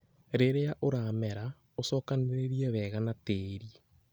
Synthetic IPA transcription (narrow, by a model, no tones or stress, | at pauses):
ɾeɾeaʔoɾaːmɛɾa | osɔːkaneɾeɾiɛβɛːɣanateːɾie